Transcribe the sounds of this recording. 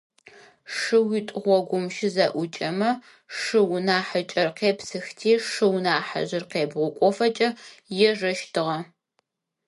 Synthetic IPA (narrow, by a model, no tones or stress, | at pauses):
ʂɨwitʷʼʁʷɔɡʷʊmʃɪzɐʔʷʊt͡ʃʼɐmɐ | ʂɨwnaːħat͡ʃʼɐrqʰeːpsɨxtʰiːʂɨwnaːħa̰ʑɪrqeːbʁʷʊkʷʼɔfɐt͡ʃʼɐjɛʐɐʃtʰɨʁɐ